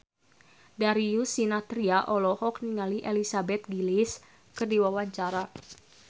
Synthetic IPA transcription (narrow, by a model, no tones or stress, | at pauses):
daɾijusinat̪ɾiaʔɔlɔhɔk̚niŋaliʔɛlisabɛt̪̚ɡilis | kɨrdiwawaɲt͡ʃaɾa